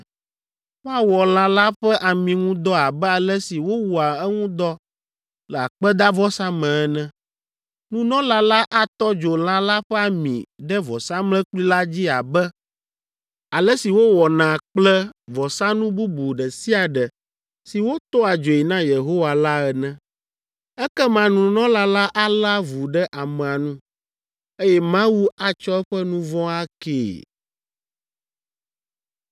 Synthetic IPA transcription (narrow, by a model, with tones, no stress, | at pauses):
wo˦a˨wɔ˨l̃ã˨la˦ɸɛ˦ʔa˨mĩ˨ŋũ˦d̪ɔ˦a˨bɛ˦a˨lɛ˦si˨wo˦wu˨a˨ɛ˦ŋũ˦d̪ɔ˦ | lɛ˨a˨k͡pɛ˦d̪a˦vɔ˦sa˦mɛ̃˨ɛ˦nɛ̃˦ | nũ˦nɔ̃˦la˦la˦ʔa˦t̪ɔ˦d͡ʒo˨l̃ã˦la˦ɸɛ˦a˨mḭ̃˨ɖɛ˦vɔ˨sa˦mlɛ̃˦k͡pli˦la˦d͡ʑi˦a˨bɛ˦ | a˨lɛ˦si˨wo˦wɔ˨nã˨k͡plɛ˦vɔ˨sa˦nũ˦bu˦bu˨ɖɛ˨si˦a˨ɖɛ˨ | si˨wo˦t̪ɔ˦a˨d͡ʒo˨i˨nã˦je˨ɦo˦wa˨la˦ɛ˨nɛ̃˦ | ɛ˦kɛ˦mã˨nũ˨nɔ̃˦la˦la˦ʔa˦la˦vu˨ɖɛ˦ʔa˨mɛ̃˨a˨nũ˦ | e˦jɛ˦mã˦wu˦a˨t͡ʃɔ˦ɛ˦ɸɛ˦nũ˦vɔ̃˦a˦kḛː˨